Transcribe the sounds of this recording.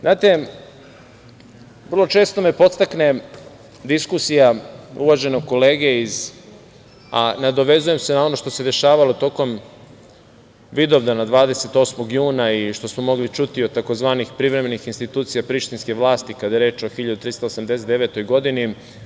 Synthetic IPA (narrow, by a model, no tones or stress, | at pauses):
znʔaːt̪e̞ | ʋr̩lˠo̞t͡ʃe̞ːst̪o̞mepo̞t̪st̪akne̞ | d̪iskusijaṵʋaʒe̞noɡ̚ko̞le̞ːɡeiz | anad̪o̞ʋe̞zuje̞mse̞nao̞no̞ʃt̪ose̞d̪e̞ʃaːʋalot̪o̞ːko̞m | ʋid̪oʋd̪anad̪ʋaːd̪ese̞t̪o̞ːsmo̞ɡjuːnaiʃt̪o̞smo̞mo̞ɡlit͡ʃut̪iot̪ako̞zʋaːnixpɾiʋɾeme̞nixinst̪it̪uːt̪sijapɾiʃt̪inskeʋlˠaːst̪ikad̪ajeɾeːt͡ʃo̞xiʎad̪ut̪ɾist̪osamd̪eset̪eʋe̞t̪o̞jɡo̞d̪ini